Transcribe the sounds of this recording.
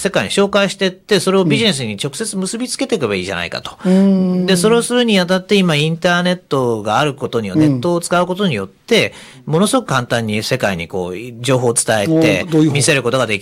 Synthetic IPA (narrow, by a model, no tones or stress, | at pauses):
se̞kaiɲ̟iɕo̞ːkaiɕi̥t̪e̞t̪ːe̞so̞ɾe̞obʲiʑine̞s̬ɨɲ̟it͡ɕo̞kɯ̟se̞t͡sɨmɯ̟sɨbʲit͡sɨ̥ke̞t̪e̞kɯbaiːʑa̰na̰ika̰t̪o̞̥d̪e̞so̞ɾe̞osɨɾɯ̟ɲ̟iβat̪at̪ːe̞imaĩnt̪aːne̞t̪ːo̞ɡaːɾɯ̟ko̞t̪o̞ɲ̟iane̞t̪ːo̞ːt͡sɨ̥kaɯ̟ko̞t̪o̞ɲ̟ijo̞t̪ːe̞ | mo̞no̞sɨɡo̞kɯ̟kãnt̪ãɲ̟ːise̞kaiɲ̟ḭko̞̰ːd͡ʑo̞ːɦo̞ːt͡sɨ̥t̪aet̪e̞̰mʲise̞ɾɯ̟ko̞t̪o̞ɡad̪e̞kʲi